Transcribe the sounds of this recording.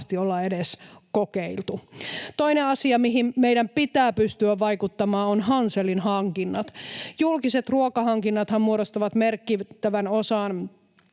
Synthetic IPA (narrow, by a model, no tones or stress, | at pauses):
st̪iolːɑedeskokeilt̪ut̪oineɑsiɑmiɦimmeijdæmpit̪æːpyst̪yæʋʋɑikut̪ːɑmɑːonɦɑnselinhɑŋkinːɑt̪julkiset̪ruokɑhɑŋkinːɑt̪hɑmmuoɾost̪ɑʋɑt̪merkːit̪ːæʋænosɑːn